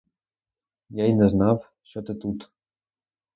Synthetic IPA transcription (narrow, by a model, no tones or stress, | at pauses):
jajnɛznaf | ɕɔt̪ɛt̪ut̪